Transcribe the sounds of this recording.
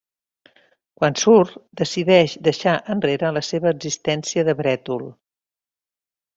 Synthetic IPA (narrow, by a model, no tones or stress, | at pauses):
kwansuɾt̪d̪əsiðɛʃd̪əʃaʔənreɾələseβəːɡzist̪ɛnsiəðəβɾɛt̪ulˠ